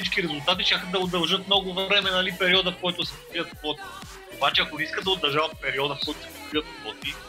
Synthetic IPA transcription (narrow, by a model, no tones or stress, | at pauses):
it͡ʃkiɾɛzʊlˠt̪at̪̬iʃtʲaxəd̪ɐod̪ɐlˠʒɤt̪̚mnɔɡʊvɾɛmɛnɐlipɛɾiɔd̪əfkɔjt̪ʊsɛp̪iət̪pɔt̪i̥ | obat͡ʃɛɐkonɛiskəd̪ɐod̪ɐɾʒavɐt̪̚pɛɾiɔd̪əfslˠut͡ʃət̪ɐiət̪̚lɔt̪i